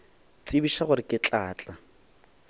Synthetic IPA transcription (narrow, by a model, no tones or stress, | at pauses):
t͡sʼibiʃaχʊɾɪkʼɪt͡ɬʼaːt͡ɬʼa